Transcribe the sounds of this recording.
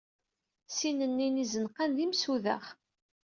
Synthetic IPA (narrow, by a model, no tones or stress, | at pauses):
sinənːinizənqanðimsuðə̰χ